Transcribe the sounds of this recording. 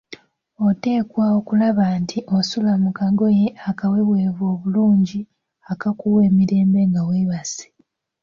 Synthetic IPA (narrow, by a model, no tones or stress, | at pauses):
o̞te̞ːkwao̞kulaβaːntʰiʔosulamukaɡo̞je̞ʔakawe̞βweːvo̞ːβuluːɲɟi | akakuwe̞ːmiɾe̞ːmbe̞ŋɡaweβase̥